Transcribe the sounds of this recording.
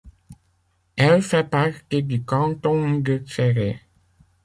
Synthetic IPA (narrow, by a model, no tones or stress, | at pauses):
ɛlfɛpaʁt̪ed̪ykɑ̃t̪ɔ̃d̪əfɛʁe